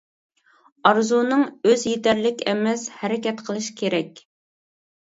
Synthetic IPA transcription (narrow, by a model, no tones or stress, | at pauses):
ɑɾzunɨŋøzjit̪ɛɾlɪkʲɛmɛshɛɾɪkʲɛt̪qʰəlˠɨʃkʲʰeɾɛkʲ